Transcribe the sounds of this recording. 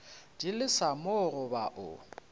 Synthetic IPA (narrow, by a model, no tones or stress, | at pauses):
d̥ilɪsamʊrʊbaʔʊ̰